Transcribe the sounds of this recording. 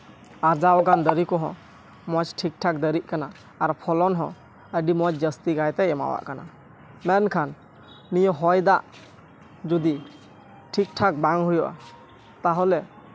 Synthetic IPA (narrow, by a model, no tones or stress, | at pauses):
aɾd͡ʒawɡand̪əɾikɔɦɔ̰̃ | mɔt͡ʃʈʰik̚ʈʰak̚d̪əɾiʔ̚kanaː | ɾpʰɔlɔnɦɔ̃ | əɖimɔt͡ʃd͡ʒəst̪iɡajt̪ɛɛma̰wa̰ʔkana̰ | mɛnkʰanː | ijɔɦɔjd̪aʔ | d͡ʒud̪i | ʈʰik̚ʈʰak̚baŋɦujɔʔa̰ | t̪aɦɔlɛ